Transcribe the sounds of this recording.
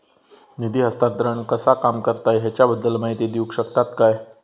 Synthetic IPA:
nid̪iːɦəst̪ad̪ɾəɳkəsakamkəɾt̪ajɦat͡ɕjabəd̪ːəlmaɦit̪iːd̪iukɕəkt̪at̪kaj

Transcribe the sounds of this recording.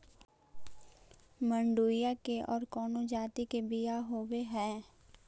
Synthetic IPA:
mə̃ɳɖuːjakeʔɔːɾkɔːnod͡ʒaːt̪ikebɪjaɦoːweɦɛ̃ː

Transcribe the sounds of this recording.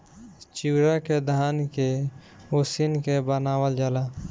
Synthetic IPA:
t͡ʃiːɾaked̪ʱaːnke | usinkebənaːwəld͡ʒala

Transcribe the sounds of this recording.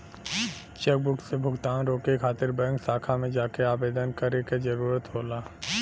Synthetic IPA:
t͡ʃeːk̚bʊksebʱʊɡt̪aːnɾoːkekʰaːt̪ɪɾbəə̃ŋksaːkʰamẽd͡ʒaːkeaːbeːd̪ənkəɾeked͡ʒɐɾuːɾət̪ɦoːlaː

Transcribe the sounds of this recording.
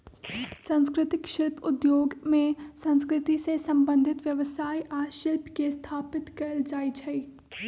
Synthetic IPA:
sɐ̃nskɾɪt̪ɪkʃɪlpʰʊd̪joːɡmẽsɐ̃nskɾɪt̪isesɐ̃mbə̃nd̪ʱɪt̪ʋjɐʋsaːiʔaːʃɪlpkest̪ʰaːpɪt̪kɐɾəld͡ʒaːit͡ʃʰɐi

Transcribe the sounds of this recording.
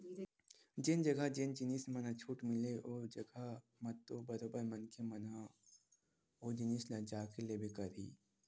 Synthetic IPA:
d͡ʒɪnd͡ʒɐɡʱad͡ʒend͡ʒɪniːsmɐnat͡ʃʰuːʈmɪleʔod͡ʒɐɡʱa | mɐt̪obɐɾobəɾmɐnkʰemɐna | od͡ʒɪnislɐd͡ʒaːkelebʱekɐɾḭː

